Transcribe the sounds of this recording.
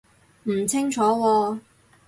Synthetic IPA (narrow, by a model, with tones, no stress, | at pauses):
m̩˨˩t͡sʰɪ˥ŋt͡ʃʰɔː˨˥wɔː˧